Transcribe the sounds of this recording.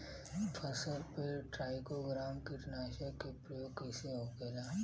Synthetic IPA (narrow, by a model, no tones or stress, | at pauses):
bʰʱɐsəɾpeʈɾaːɪkoɡɾaːmkiʈɐnaːʃəkepɾəjoːɡkɛseɦoɡəlaː